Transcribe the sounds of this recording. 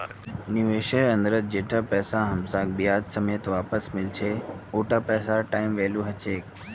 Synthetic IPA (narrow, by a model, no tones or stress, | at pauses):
nɪʋeːʃəɾɐ̃nd̪əɾət̪̚d͡ʑeːʈʰapɛːsãɦɐmsaːk̚bijaːd͡ʒsəmeːt̪ʋaːpəsmɪlt͡ʃʰeoːʈapɛːsaɾʈaːɪmʋeːluɦɐt͡ɕʰeːk